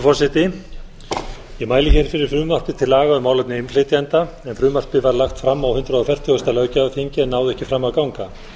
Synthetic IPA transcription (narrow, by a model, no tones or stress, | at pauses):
fɔr̥sɪt̪ɪ | ɛmaːjlɪçɛɾfɪɾɪɾ̥fɾʏːmar̥pɪt̪ʰɪlːaːɣaʏmaːwlap̚nɪɪnlɪt̪jant̪a | ɛnfɾʏːmar̥pɪvaɾlaxt̪fɾamːawhʏnt̪ɾaðɔfɛr̥t̪ʰjʏɔst̪ɛlœːɥcaafiɲcɪɛnːaːwðɛhcɪfɾamːaðkawŋka